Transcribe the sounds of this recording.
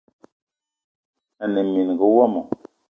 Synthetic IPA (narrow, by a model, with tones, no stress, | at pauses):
ə˨nə˨mːi˨n˨ɡə˨˦wa˦mo˨